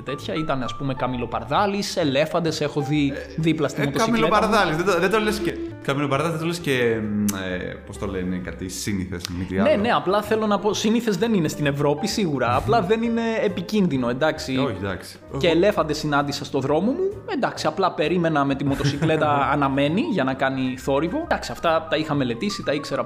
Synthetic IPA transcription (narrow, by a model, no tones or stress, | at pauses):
t̪et̪çɐit̪ɐneɐspume̞kɐmilo̞pɐɾðɐlise̞le̞fɐnd̪e̞se̞xo̞ðiðiplɐst̪imot̪oɐimilopɐɾðɐlizðeoðet̪olesekɐmilopɐɾðɐlzðet̪olesceepost̪o̞lenekɐt̪isiniθḛsmit̪iɐne̞ne̞ɐplɐθe̞lo̞nɐpo̞siniθe̞zðe̞nine̞st̪ine̞vɾo̞pisiɣuɾɐːplɐðe̞nine̞ːpicinðino̞e̞nd̪ɐksioçid̪ɐ̰ksi̥ | ceːle̞fɐnd̪e̞sinɐnd̪isɐst̪o̞ðɾo̞mo̞mue̞nd̪ɐksiɐplɐpe̞ɾime̞nɐme̞t̪imo̞t̪o̞sikle̞t̪ɐːnɐme̞niʝɐnɐkɐniθo̞ɾivo̞d̪ɐksiɐft̪ɐt̪ɐixɐme̞le̞t̪isit̪ɐikse̞ɾɐ